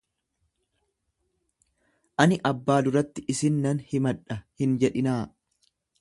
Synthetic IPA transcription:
ʔɐnɪʔɐbːaːd̪ʊɾɐt̪ːɪɪsɪnːɐnhɪmɐᶑːɐhɪnd͡ʒɛᶑɪnaː

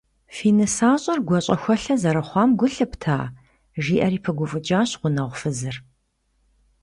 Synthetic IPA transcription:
fiːnɨsaːɕʼɐrɡʷɔɕʼɐxʷɔɬɐzɐɾɐχʷɑːmɡʷʊɬɨptʰaː | ʒiːʔɐɾiːpʰɨɡʷʊfʼɨd͡ʒʼaːɕqʷʊnɐʁʷfɨzɨr

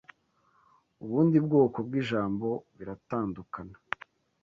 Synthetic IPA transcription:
uβuːndibɡoːko̞bɡiʒaːmbo̞βiɾataːndukana

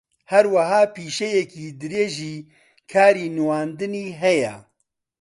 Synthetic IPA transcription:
hɛɾwɐɦaːpiːʃɛjɛkiːd̪ɨɾeːʒiː | kʰaːɾiːnɨwaːnd̪ɨniːɦɛjɛ̰

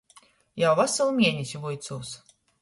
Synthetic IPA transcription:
jawvasɨlˠmʲiɛnʲisʲvujt̪suːs

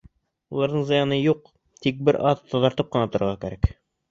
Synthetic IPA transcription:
ulˠɑɾd̪ɤɴzɤ̆jɑnɤjuq̚ | t̪ik̚bɘɾʔɑðʰɑðɑɾt̪ɤp̚qɤ̆nɑt̪ŏɾɤ̆ʁɑkæɾæk

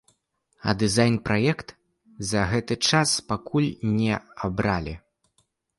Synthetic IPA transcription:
ɐ̰d̪ɨzajnpɾʔajɛkt̪ | zɐɣɛt̪ɨt͡ʂaspakulʲnʲɛabɾalʲḭ

